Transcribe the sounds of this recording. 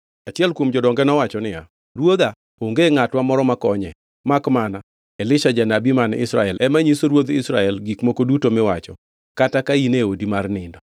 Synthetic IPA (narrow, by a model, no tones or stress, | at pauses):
at͡ʃɪɛlkwomd͡ʒɔdɔŋɡɛnɔwat͡ʃɔnɪja̰ | rwod̪a | oŋɡeŋatwamɔɾɔmakɔɲɛ | makmana | elɪʃad͡ʒanabimanɪ̰sɾaɛlʔɛmaɲisoɾwod̪ɪsɾaɛlɡikmokodutomɪwat͡ʃɔ | katakaineodimarnɪndɔ